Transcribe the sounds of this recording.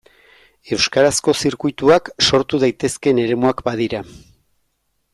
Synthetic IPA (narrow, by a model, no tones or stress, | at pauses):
e̞wskaɾasko̞siɾkujt̪uakso̞ɾt̪uðajt̪e̞ske̞ne̞ɾe̞muakbað̞iɾa